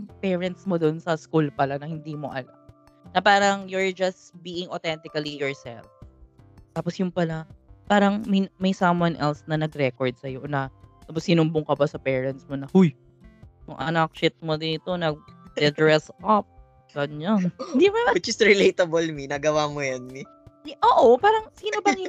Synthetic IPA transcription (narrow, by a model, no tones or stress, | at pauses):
pɛːɹɐnt̪̚smod̪oʔnsɐskulpɐlanɐhɪnd̪imo̞̰ʔɐla̰m | nɐpaːɾɐŋjʊɹd͡ʒɐsbiːʔɪŋot̪ɛnt̪ɪkɐlijɔɹsɛ̰lf | t̪aːposjʊŋpɐlapaːɾɐŋmɐjmɐjsɐmwɐnʔɛlsnɐnɐɡɾɛkɔɹd̪̚sɐjonɐt̪aːposhɪnʊmbʊŋkɐbasɐpɛːɹɐnt̪smonɐhuj | jʊ̰ŋʔɐ̰nɐk̚ʃɪt̪̚mod̪ɪnɪt̪o̞nɐɡ̚d̪ɛd̪ɹɛsʔɐp̚ | ɡɐnɲannd̪imawɪt͡ʃɪsɾɪlejt̪ɐbolminɐɡɐwaːmojɐnmi | ʔoːʔopaːɾɐŋsiːnobɐŋj